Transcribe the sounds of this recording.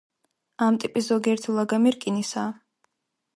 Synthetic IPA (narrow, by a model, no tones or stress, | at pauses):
amt̪ʼipʼiszɔɡiɛɾt̪ʰilˠaɡamiɾkʼinisaː